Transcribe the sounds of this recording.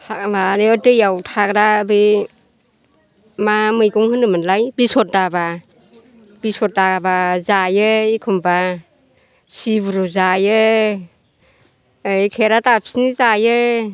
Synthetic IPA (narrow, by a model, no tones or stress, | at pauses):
hamaɾeɔtɯjawtʰakɾabɯ | mamɯjɡɔŋhɯnɯmɯnlajbisɔt̚daba | b̥isɔt̚dabazajɯikʰumba | sibuɾuzajɯ | kʰeɾatapsinizajɯ